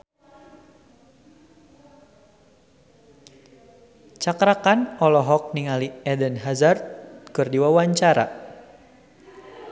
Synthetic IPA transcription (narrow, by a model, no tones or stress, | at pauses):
t͡ʃakɾakanɔlɔɦɔk̚niŋaliɛdənɦazart̪̚kɨrdiwawaɲt͡ʃaɾa̰